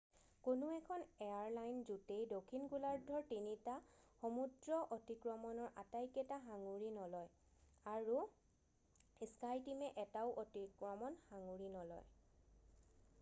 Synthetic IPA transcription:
konʊɛkʰɔneaɹlajnzutejdokʰinkulaɹdʱɔɹtinitaxomudɹɔʔotikɹɔmɔnɔɹʔatajkɛtaxaŋuɹinɔlɔj | aɹu | iskajtimɛʔɛtaʊʔotikɹɔmɔnxaŋuɹinɔlɔ̰j

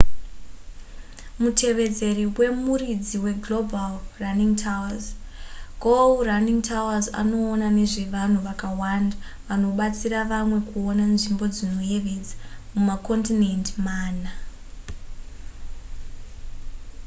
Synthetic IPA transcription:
mutʰe̞ʋe̞d͡ze̞riwe̞murid͡ziwe̞ɡlo̞balraniŋtʰawaz | ɡolraniŋtʰawaza̰no̞ːnane̞ʐe̞ʋan̤uʋakawanda | ʋano̞ɓat͡siɾaʋamwe̞kuonanʐimbo̞d͡zino̞je̞ʋe̞d͡zḁmumako̞ntine̞ntmaːna

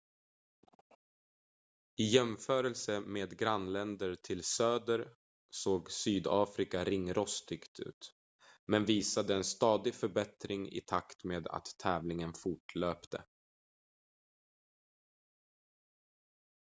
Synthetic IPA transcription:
ɪjɛmfœːɾəlsəmeːd̪ɡɾanːlɛnd̪əɾʈʰɪlsøːd̪əɾ | soːɡsyːd̪ɑːfɾɪkaɾɪŋːɾɔst̪ʰʏkt̪ʉ̟̰ːt̪ | mɛnviːsad̪əɛnst̪ɑːd̪ɪfœɾbɛt̪ɾɪŋɪ̰t̪ʰakt̪meːd̪a̰t̪ʰːɛːvlɪŋənfʊʈɭøːpt̪ʰə̰

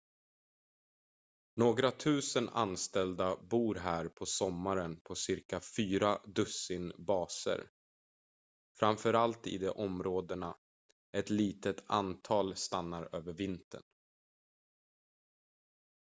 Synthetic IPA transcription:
noːɡɾat̪ʰʉ̟ːsəna̰nst̪ɛld̪abuːɾɦæːɾpʰɔsɔmːaɾənpʰɔsɪɾkafyːɾad̪ɵsɪnbɑːsə̰ɾ | fɾamfœɾalt̪ɪ̰d̪ɛʔɔmɾoːd̪əɳa | ɛt̪liːt̪ət̪ʰa̰nt̪ʰɑːlst̪anːaɾøːvəɾvɪnt̪ʰə̰n

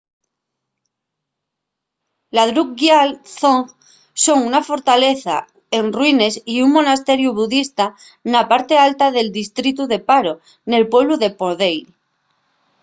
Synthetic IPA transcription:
laðɾuk̚ɡjalθoŋ | so̞ŋunafo̞ɾt̪ale̞θa̰ | enrwine̞siuŋmo̞nast̪e̞ɾjuβuðist̪a | napaɾt̪e̞alt̪aðe̞ld̪ist̪ɾit̪̬uðe̞paɾo | ne̞lpwe̞β̞luðe̞poðej

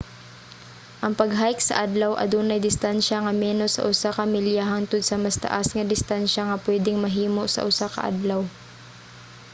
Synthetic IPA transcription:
ʔɐŋpɐɡɦaːjɪk̚sɐ̰ʔad̪lɐwʔɐ̰d̪onɐjd̪ɪst̪anʃɐŋɐmɛːnosɐ̰ʔʊsakɐmɪljaɦaŋt̪ʊd̪̚sɐmɐst̪ɐ̰ʔasŋɐd̪ɪst̪anʃɐŋɐpwɛːd̪ɪŋmɐɦiːmo̞ʔsɐ̰ʔʊsakɐ̰ʔa̰d̪lɐw

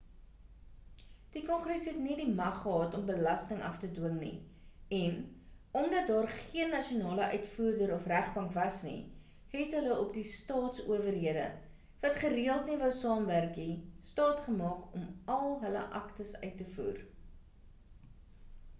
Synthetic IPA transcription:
d̥ikɔnχrɛsɦɛtnidimɐχːəɦɑːtɔmbəlɐstəŋɐ̰ftədwəŋnḭ | ɛn | ɔmdɐt̚dɑːrχiənːɐʃionɑːləʔœɥtfuːrdəɾɔfræχbɐŋkvɐsnḭ | ɦɛtɦələɔpdistɑːtsṵəvərɦiədə̰ | vɐtχəriəlˠtnivəwsɑːmværkistɑːtχəmɑːkɔmɐlˠɦələ̰ʔɐ̰ktəsœ̰ɥtːəfṵːr

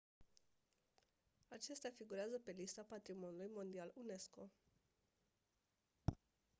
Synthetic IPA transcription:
at͡ʃe̞st̪eafiɡuɾeazəpe̞list̪apat̪ɾimo̞nulujmo̞nd̪ialune̞sko̞

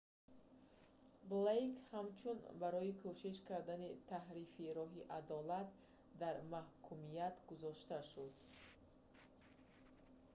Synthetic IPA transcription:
blejkhamt͡ʃʰunbaɾɔikʰoʃiʃkaɾd̪anit̪ʰaɦɾifiɾɔɦiʔad̪ɔlat̪ | d̪aɾmahkʰumijat̪ɡuzɔʃt̪aʃud̪

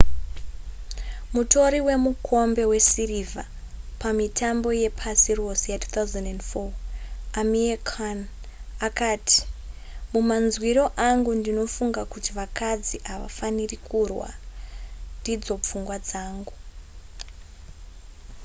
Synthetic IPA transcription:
muto̞ɾiwe̞mukʰo̞mbe̞we̞siriva | pamitʰambo̞je̞pʰasiro̞sejatʰu̥ːt̪awzandendfoamiekʰan | akaːtʰi̥ | mumanzwiɾo̞ʔaŋɡundino̞fuŋɡakutiʋakad͡ziʔaʋa̰fanirikʰurwa̰ | ndid͡zo̞p͡fuŋɡwad͡zaːŋɡu

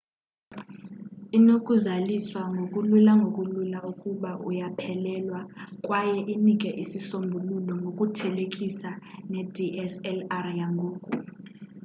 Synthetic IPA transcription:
inokʼuzaliswaŋɡʱokʼululaŋɡʱokʼululaukʼuɓaʔujapʰɛlɛlwakʼwajɛʔinikʼɛʔisisombʱululɔŋɡʱokʼutʰɛlekʼisanɛdʱiʔɛsɛlarjaŋɡʱoːkʼu

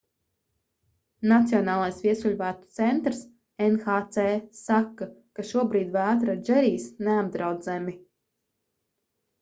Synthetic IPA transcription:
nat̪siɔnaːlˠajsvʲiɛsulʲvæːt̪u̥t̪sɛnt̪ɾs | enxaːt̪sɛːsakːakaʃuɔbɾiːd̪væːt̪ɾad͡ʒɛɾiːsneab̚d̪ɾawd̪zɛmi

